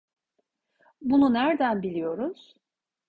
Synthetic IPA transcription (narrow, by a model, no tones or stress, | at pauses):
bununæɾd̪ænbilʲijo̞ɾuz̥